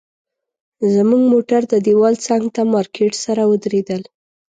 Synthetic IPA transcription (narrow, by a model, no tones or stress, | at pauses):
zəmuɡmoʈaɾd̪əd̪ewɑlt͡saŋɡt̪amɑɾkʰeʈsaɾawəd̪ɾed̪əl